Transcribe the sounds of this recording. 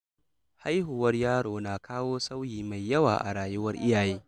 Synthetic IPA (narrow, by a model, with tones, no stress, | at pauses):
ha˦jhʊ˨wɐ˦rjaː˦ɽoː˨naː˨kaː˦woː˦sa˦wjiː˨ma˨jːɐ˦waː˨ʔa̰˨ɽaː˨jʊ˦wɐ˦rʔɪ˦jaː˨jeː˦